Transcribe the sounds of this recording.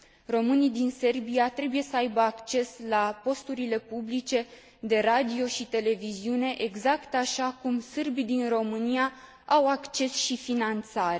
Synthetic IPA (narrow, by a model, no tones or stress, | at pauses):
ro̞mɨnid̪inse̞rbiat̪ɾe̞buje̞səajbəakt͡ʃe̞slapo̞st̪uɾile̞publit͡ʃe̞ | d̪e̞ɾad̪io̞ʃit̪e̞le̞viziune̞ʔeɡzakt̪aʃakumsɨrbid̪inro̞mɨnija | awakt͡ʃe̞sʃifinant̪saɾe